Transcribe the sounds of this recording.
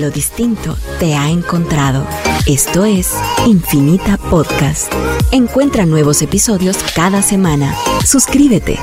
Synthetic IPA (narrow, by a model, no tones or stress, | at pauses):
lo̞ðist̪int̪o̞t̪e̞aeŋko̞nt̪ɾað̞o̞̰ | e̞st̪o̞e̞siɱfinit̪apoðkast̪e̞ŋkwe̞nt̪ɾanwe̞β̞o̞se̞piso̞ðjo̞skaðase̞mãnasuskɾiβe̞t̪e̞̰